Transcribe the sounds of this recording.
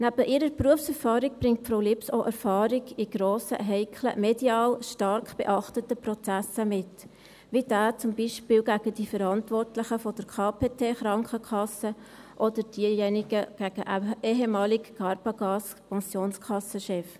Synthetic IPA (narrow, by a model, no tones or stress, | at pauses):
næb̥əʔɪɾəɾpruəfsɛɾfɑːɾik̚b̥ɾɪŋt̚fɾoʊlɪpsoʔæɾfɑːɾiɡiɡ̥ɾoːsə̰ɦɛɪkʰlə̰med̥iɑːlʃtɑɾkb̥ḛʔɑχtətəprɔt͡sæsəmɪt | ʋid̥æːt͡sʊmbiʃpɪːlɡæɡ̥əd̥ifəɾɑntʋɔrtlɪχəfɔd̥əɾkʰɑːpʰeːtʰeːχɾɑŋkəkʰɑsə | ʔɔd̥əɾd̥iːjɛnɪɡəɡ̥æɡ̥əʔeɦemɑːlikkɑɾbɑɡɑːs | pɑ̃nsjoːnskʰɑsːəʃɛf